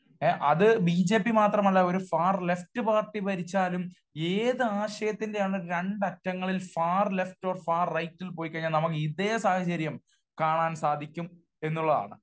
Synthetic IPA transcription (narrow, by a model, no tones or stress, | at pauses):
ʔɐðɨbid͡ʑe̞ːpːimaːt̪rɐmɐlːɐo̞ɾufaːrle̞ftɨpaːrʈːipɐɾit͡ɕːaːlum | eːðɨaːɕɐjɐt̪ːindejaːɳɨɾe̞ɳɖɐtːɐŋːɐɭilfaːrle̞fto̞ːrfaːrːɐjtːilpo̞ːjikːɐɲːalnɐmukːɨid̪eːjɐsaːhɐt͡ɕɐɾjɐm | kaːɳaːnsaːd̪ʱikʲːum | e̞nːuɭːɐða̰ːɳɨ̰